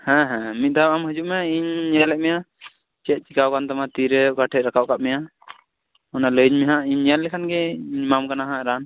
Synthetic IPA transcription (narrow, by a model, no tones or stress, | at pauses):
hɛ̃ɦɛ̃mit̪̚d̪aamɦəd͡ʒuʔmɛjaiɲːalɛʔ̚mɛja | t͡ʃɛt̪̚t͡ʃikawkant̪amat̪iɾɛkaʈʰɛʔɾakaʔkaʔ̚mɛja | ɔnaləɲmɛɦãiɲjanlɛkʰanɡɛiɲmamkanaɦãɾan